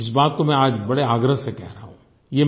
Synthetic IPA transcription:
ɪs̬baːt̪̚komɛ̃aːd͡ʒbɐɽeaːɡɾəɦsekɛɦɾɐɦaɦũː | jeː

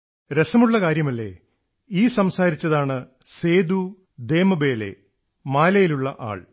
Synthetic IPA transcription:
ɾesɐmuɭːɐkaːɾjɐmɐlːe̞̰ | iːsɐmsaːɾit͡ɕːɐðaːɳɨ | se̞ːd̪u | d̪e̞ːmɐbe̞ːlḛ | maːlɐjiluɭːɐʔa̰ːɭ

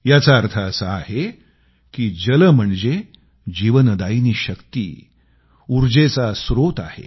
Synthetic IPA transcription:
jat͡saəɾt̪ʰaəsəahe | kiːd͡ʑələm̤əɳd͡ze | d͡ʑiʋənəd̪ainiːɕəkt̪ḭː | uɾd͡ʑet͡sasɾot̪a̰hḛ

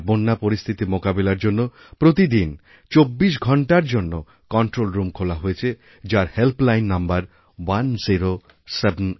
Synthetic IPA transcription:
bonːapoɾist̪ʰit̪imokabelaɾd͡ʑonːo | pɾot̪id̪in | t͡ɕobːiʃ̬ɡʱɔɳʈaɾd͡ʑonːo | kɔɳʈɾolɾumkʰolaɦojet͡ɕʰe | d͡ʑaɾhelplajnːambaɾ | wanziɾo | sebʱen

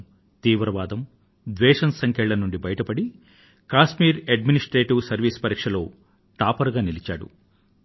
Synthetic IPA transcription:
t̪iːʋɾɐʋaːd̪ɐm | d̪ʋɛːʂɐnsɐŋkʰɛɭːɐnuɳɖibɐjɐʈɐpɐɽi | kaːʃmiːɾeɖminisʈɾeːʈiʋsɐɾʋiːspɐɾiːkʂɐlo̞ː | ʈaːpɐɾɡaːnilit͡ʃa̰ːɽṵ

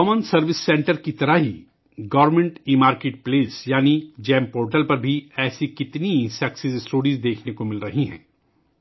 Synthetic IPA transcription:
kɔːmənsɐɾʋɪsːẽːɳʈəɾkit̪ɐɾaɦi | ɡɐːʋəɾmẽɳʈiːmaːɾkeːʈ̚pleːsjaːnid͡ʒɛ̃ːmpoːɾʈəlpɐɾbʱiɛːsikɪt̪nisɛksizɪsʈoːɽizd̪eːkʰnekomɪlɾɐɦiɦɛ̰̃ː

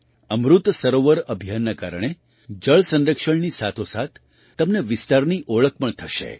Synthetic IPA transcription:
əmɾut̪səɾoʋəɾəbʱijanːaka̰ɾəɽ̃e | d͡ʒəɭsənɾəkʃəɳnisat̪ʰosat̪̚ʰː | əmneʋɪst̪aɾniʔoɭək̚pəɳt̪ʰəʃḛ

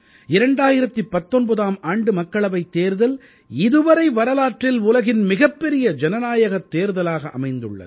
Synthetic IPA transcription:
ɪɾɐɳɖaːjɪɾɐt̪ːɯpːɐt̪ːɔnbɐðaːmaːɳɖɯmɐkːɐɭɐʋɐɪt̪ːeːɾðɐl | ɪðɯʋɐɾɐɪʋɐɾɐlaːʈrɪlʊlɐɣɪnmɪɣɐpːɛɾɪjɐd͡ʒɛnɐnaːjɐɣɐt̪ːeːɾðɐlaːɣɐʔɐ̰mɐɪnd̪ɯɭːɐ̰ð

